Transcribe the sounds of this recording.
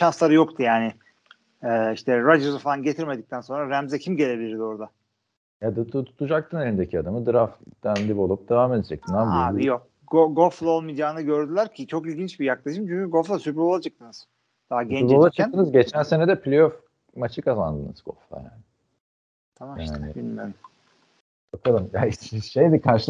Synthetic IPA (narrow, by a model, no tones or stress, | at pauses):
ʃanslˠaɾɯjokt̪ʰujaːnɪ | ɛːiʃt̪ʰɛɾad͡ʒezofalˠanɟe̞t̪ʰiɾme̞d̪ic̚t̪ʰænso̞nɾaɾæmzɛcʰimɟe̞lʲe̞bilʲiɾd̪io̞ɾd̪a | jad̪ʰt̪ʰut̪ʰud͡ʒak̚t̪ʰɯnelʲind̪ecʰiad̪amɯd̪ɯɾafd̪̥ænd̪ibo̞lˠup̚d̪̥e̞vaːmed̪ed͡ʒɛ̰t̪ʰind̪ænbabijok̚ | ɡoɡoflˠaolˠmid̪jaːnɯɟø̞ɾd̪ylʲæɾcʰit͡ʃʰo̞kilʲɟint͡ʃbijaklˠaʃɯmt͡ʃʰyɲcyɡoflˠasypɾo̞lˠad͡ʒak̚t̪ɯnɯz̥ | d̪̥aːɟɛ̃o̞lˠat͡ʃʰat̪ɯnɯzɟe̞t͡ʃʰænse̞ned̪ɛpʰlʲejof | mat͡ʃʰɯkʰazand̪ɯnɯ̰z̥ɡo̞̰flˠa̰ja̰ːnɪ | t̪ʰamaja̰ːnɪ̰binmeɾm | bakʰalˠɯmjaʃejd̪ikʰaɾʃɯlˠ